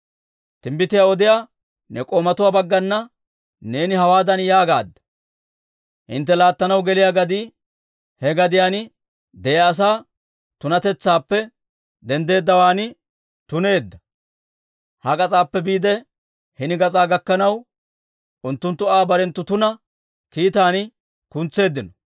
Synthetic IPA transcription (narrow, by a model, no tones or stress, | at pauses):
t̪ɪmbɪt̪ɪjaːɔd̪ɪjaː | nɛkʼoːmɐt̪ʊwaːbɐɡːɐnːɐ | ne̞ːnɪhɐwaːd̪ɐnjaːɡa̰ːd̪ːɐ̥ | hɪ̰nt̪ːɛlaːt̪ːɐnɐwɡɛlɪjaːɡɐd̪iː | hɛɡɐd̪ɪjaːn | d̪ɛjɐːs̬aː | t̪ʊnɐt̪ɛt͡sːaːpːɛ | d̪ɛnd̪e̞ːd̪ːɐwaːnɪ | t̪ʊne̞ːd̪ːɐ | hɐkʼɐt͡sʼaːpːɛbiːd̪ɛ | hɪnɪɡɐt͡sʼaːɡɐkːɐnɐw | ʔʊnt̪ːʊnt̪ːʊaːbɐɾɛnt̪ːʊt̪ʊnɐ | kiːt̪aːn | kʊnt͡sːe̞ːd̪ːɪnɔ